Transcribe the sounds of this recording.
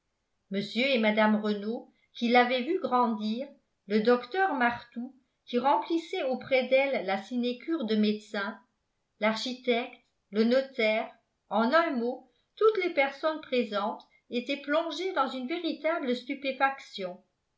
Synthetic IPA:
məsjøemad̪amʁəno | kilavɛvyɡʁɑ̃d̪iːʁ | ləd̪ɔkt̪œʁmaʁt̪u | kʲiʁɑ̃plisɛopχɛd̪ɛlːasinekʲyːʁd̪əmed̪sɛ̃ | laʁʃit̪ɛkt̪ | lənɔt̪ɛːʁ | ɑ̃nɛ̃mo | t̪ut̪lepɛʁsɔnpχezɑ̃t̪ | et̪ɛplɔ̃ʒed̪ɑ̃zynveʁit̪abləst̪ypefaksjɔ̃

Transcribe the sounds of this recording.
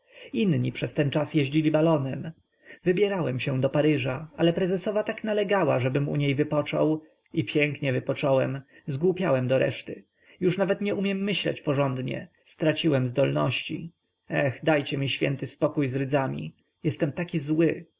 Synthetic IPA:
inɲipʂɛst̪ɛnt͡ʂasjɛʑd͡ʑilʲibalɔnɛm | vɘbʲjɛɾawɛmɕɛ̃d̪ɔpaɾɘʐaalɛpɾɛzɛsɔvat̪aknalɛɡawaʐɛbɘmṵɲejvɘpɔt͡ʂɔ̰w | ipʲjɛŋkɲɛvɘpɔt͡ʂɔwɛm | zɡwupʲjawɛmd̪ɔɾɛ̰ʂt̪ɘ | juʂnavɛt̪ɲɛumʲjɛmːɘɕlɛ̰t͡ɕpɔʐɔnd̪ɲɛ̰ | st̪ɾat͡ɕiwɛmzd̪ɔlnɔ̰ɕt͡ɕḭ | ɛxd̪ajt͡ɕɛmʲiɕfʲjɛ̰nt̪ɘspɔkujzɾɘd̪zamʲḭ | jɛst̪ɛmt̪akʲizwɘ

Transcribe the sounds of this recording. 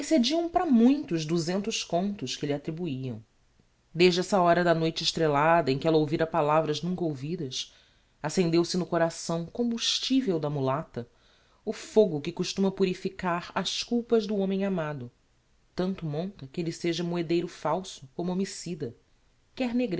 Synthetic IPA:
esed͡ʒiɐ̃w̃pɾɐmũj̃t̪ʊːzd̪uzẽnt̪ʊskõnt̪ʊʃkɪlɪat̪ɾibuiɐ̰̃w̃ | d̪eʒd͡ʒɪɛsɐɔɾɐd̪ɐnojt͡ʃɪʃt̪ɾelad̪ɐẽkɪɛlɐowviɾɐpalavɾɐznũkowvid̪ɐs | asẽnd̪ewsɪnʊkoɾasɐ̃w̃kõmbuʃt͡ʃivewd̪ɐmulat̪ɐ | ʊfoɡʊkɪkuʃt̪ũmɐpuɾifikaɾɐskuwpɐzd̪ʊõmẽj̃amad̪ʊ | t̪ɐ̃nt̪ʊmõnt̪ɐkɪelɪseʒɐmoed̪ejɾʊfawsʊkõmʊomisid̪ɐ | kɛɾneɡɾ

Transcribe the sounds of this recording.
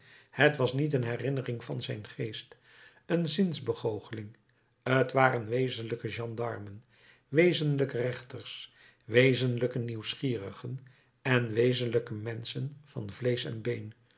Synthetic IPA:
hətʋɑsnit̬ənɦɛrɪnərɪŋvɑnzɛjnχejst | ənzɪnzbəχowχəlɪŋ | ətʋaːɾənʋejzənləkəʒɑndɑ̰ɹmən | ʋejzənləkərɛχtərs | ʋejzənləkəniwsχiːrəχən | ɛnʋejzənləkəmɛnsənv̥ɑnvlejsɛ̰nbejn

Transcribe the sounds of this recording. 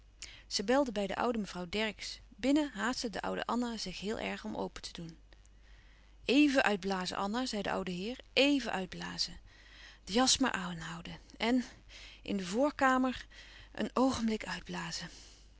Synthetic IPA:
z̥əbɛlˠdəbɛjdə̰ʔʌ̰wdəməv̥rɑwdɛɹɪksbɪnəɦaːstədəʔʌ̰wdə̰ʔɑnazɪχɦɪːlˠʔɛ̰ɹχɔmʔo̰wpətʰə̥dun | ejvənʔœɥd̚blaːzə̰ʔɑnazɛjdə̰ʔʌ̰wdəɦɪːɹejvənʔœɥd̚blaːzə | d̥əjɑsma̰ɹʔaːnɦʌwdəɛn | ʔɪ̰ndəvʊːɹkaːməɹʔə̰nowχəmblɪkœɥd̚blaːzə

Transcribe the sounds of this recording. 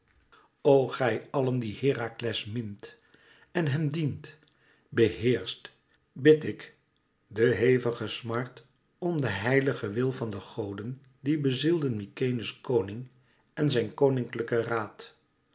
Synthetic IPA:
owχɛjɑləndihɪːraklɛsmɪnt | ɛnɦɛmdint | bəɦɪːɹst | bɪtɪk | dəɦejvəχəsmɑɹt | ɔmdəɦɛjləχəʋɪlˠvɑndəχowdən | dibəzilˠdənmikejnəskownɪŋ | ɛnzɛjnkownɪŋkləkəraːt

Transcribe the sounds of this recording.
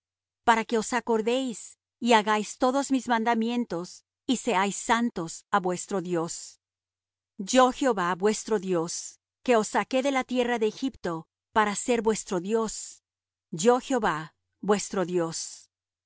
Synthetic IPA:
paɾake̞osako̞ɾðe̞js | iaɣajst̪o̞ðo̞zmizmãnd̪amje̞nt̪o̞s | ise̞ajsːant̪o̞saβwe̞st̪ɾo̞ðjo̞s | d͡ʒo̞xjeoβabwe̞st̪ɾo̞ðjo̞s | ke̞o̞sːake̞ðe̞lat̪je̞raðeːxipt̪o̞ | paɾase̞ɾbwe̞st̪ɾo̞ðjo̞s | d͡ʒo̞xjeo̞βa | bwe̞st̪ɾoðjo̞s

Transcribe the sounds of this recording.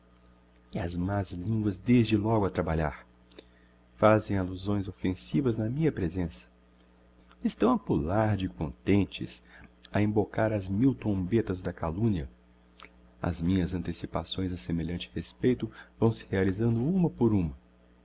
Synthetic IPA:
ɐzmazlĩŋɡwɐzd̪ezd͡ʒɪlɔɡʊɐt̪ɾabaʎa̰ɾ | fazẽj̃aluzõj̃zofẽsivɐznɐmĩɲɐpɾezẽsɐ̥ | ɪst̪ɐ̃w̃ɐpulaɾd͡ʒɪkõnt̪ẽnt͡ʃɪ̰sɐẽmbokaɾɐzmiwt̪ɾõmbet̪ɐzd̪ɐkalũniɐ | ɐ̰zmĩɲɐzɐ̃nt̪esipa̰sõj̃zɐsemeʎɐ̃nt͡ʃɪ̥hespejt̪ʊvɐ̃w̃sɪ̥healizɐ̃nd̪ʊũmɐpoɾũmɐ

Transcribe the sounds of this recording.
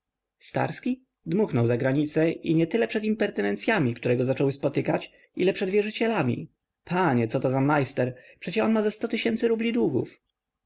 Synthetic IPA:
st̪a̰ɾskʲi | d̪muxnɔwzaɡɾaɲit̪sɛʔḭɲɛt̪ɘlɛpʂɛt̪impɛɾt̪ɛnɛnt̪sʲjamʲikt̪uɾɛɡɔzat͡ʂɔwɘspɔt̪ɘkat͡ɕ | ilɛpʂɛd̪vʲjɛʐɘt͡ɕɛlamʲḭ | pʰaɲɛt̪sɔt̪ɔzamajst̪ɛɾpʂɛt͡ɕɛɔnmazɛst̪ɔt̪ɘɕɛnt̪sɘɾublʲid̪wuɡṵf

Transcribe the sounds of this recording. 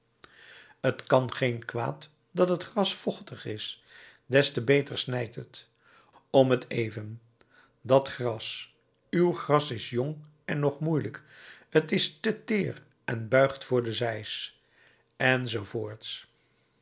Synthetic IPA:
ətkɑnχejnkʋa̰ːt | dɑtɦətχrɑsfɔχtəχɪs | dɛstəbejtəɹsnɛjtət | ɔmətʰejvən | dɑtχrɑs | ywχrɑsɪsjɔŋ | ɛnːɔχmujləkətɪstətɪːr | ʔɛ̰nbœɥχtfʊːɹdəzɛjs | ɛnzowvʊːɹts

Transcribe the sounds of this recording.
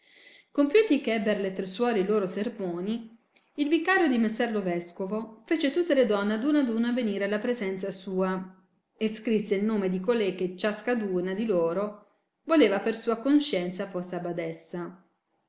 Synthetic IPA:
kompjut̪ikɛbeɾlet̪ɾeswɔːɾeiloːɾosermoːniː | lvikːaːɾjod̪imesːɛrlovɛskovofeːt͡ʃet̪ut̪ːeled̪ɔnːead̪unad̪unaveniːɾealːapɾezɛnt̪sasuːa | eskɾisːeilnoːmed̪ikolekːet͡ʃːaskad̪uːnad̪iloːɾo | voleːvapersuːakonʃɛnt̪saforseabad̪ɛsːa

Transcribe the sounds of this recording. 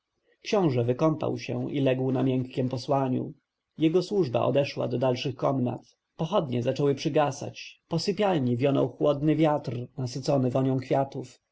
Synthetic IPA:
kɕɔ̃w̃ʐɛvɘkɔmpa̰wɕɛ̰ilɛɡwnamʲjɛŋkːʲɛmpɔswaɲṵ | jɛɡɔswuʐba̰ʔɔ̰d̪ɛʂwa̰d̪ɔd̪alʂɘxkɔmna̰t̪ | pɔxɔd̪ɲɛzat͡ʂɔwɘpʂɘɡasa̰t͡ɕpɔsɘpʲjalɲivʲjɔnɔ̰wxwɔd̪nɘvʲjat̪rnasɘt̪sɔnɘvɔɲɔ̃w̃kfʲjat̪uf

